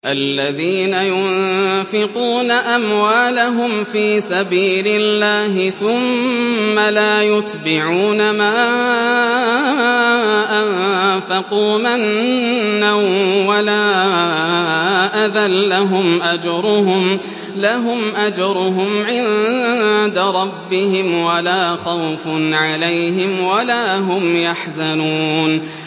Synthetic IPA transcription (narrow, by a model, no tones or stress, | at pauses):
ʔalːaðiːnajʊnfɪquːnaʔamwaːlaɦʊmfiːsabiːlɪlːaːhɪθʊmː | alaːjʊt̪bɪʕuːnamaː | ʔanfɑquːmɪnː | awwalaː | ʔaðalːaɦʊmʔad͡ʒɾˤʊɦʊm | laɦʊmʔad͡ʒɾˤʊɦʊmʕɪn | d̪aɾˤɑbːɪhɪmwalaːxawfʊnʕalajɦɪmwalaːɦʊmjaħzanuːn